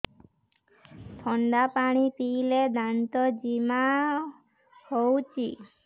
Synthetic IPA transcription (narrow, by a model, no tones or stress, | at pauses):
t̪ʰɔɳɖapaɽ̃ipiled̪ant̪ɔd͡ʒima | howt͡ʃʰi